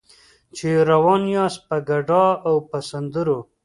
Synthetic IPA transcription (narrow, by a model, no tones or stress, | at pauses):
t͡ʃeɾawɑnjɑspəɡaɖɑawpasand̪əɾo